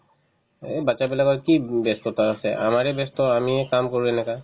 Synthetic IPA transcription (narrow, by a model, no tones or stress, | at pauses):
ebat͡ʃabilakɔɹkibest̪ɔt̪aasɛʔa̰maɹɛbest̪ɔamiɛkamkoɹuɛnɛka